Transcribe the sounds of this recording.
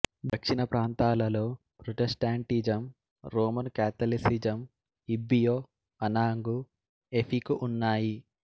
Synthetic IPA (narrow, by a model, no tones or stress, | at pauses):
d̪ɐkʂinɐpɾaːnt̪aːlɐlo̞ː | pɾoʈesʈaːɳʈid͡ʒɐm | ɾoːmɐnkaːt̪ɐlisid͡ʒɐm | ibːijoː | ɐnaːŋɡu | epʰikuʔunːaːji